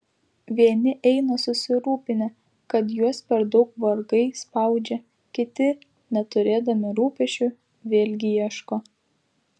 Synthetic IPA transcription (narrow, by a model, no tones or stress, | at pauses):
ʋʲiɛnʲɪʔɛɪnɐsʊsʲɪɾuːpʲɪnʲɛ | kɐt̪juɔspʲɛɾd̪ɒʊkʋɐɾɡɐɪspɐˑʊd͡ʒʲɛ | kʲɪt̪ʲɪ | nʲɛt̪ʊɾʲeːd̪ɐmʲɪɾuːpʲɛʃʲt͡ʃʲʊ | ʋʲeːlʲɡʲɪjiɛʃkoː